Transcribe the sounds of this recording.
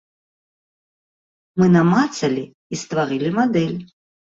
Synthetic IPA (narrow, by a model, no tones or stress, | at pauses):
mɨnamat̪sɐlʲi | ist̪vaɾɨlʲimad̪ɛlʲ